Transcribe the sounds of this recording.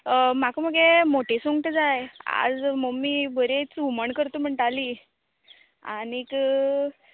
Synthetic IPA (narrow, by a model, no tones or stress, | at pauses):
əmakəməɡemoʈʰesuŋɡʈd͡zaja̰d͡zməɡmːiːbʱəɾet͡suməɳkəɾt̪um̤əɳʈali | a̰nik